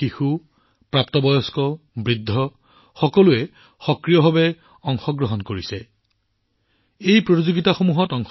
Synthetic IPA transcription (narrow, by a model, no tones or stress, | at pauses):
ixu | pɹapt̪ɔbɔjɔskɔ | bɹid̪ʱːɔ | xɔkɔluɛ | xɔkɹijɔbʱabɛ | ɔŋxɔɡɹɔɦɔnkoɹisɛ | ejpɹotizoɡitaxomuɦɔtɔŋx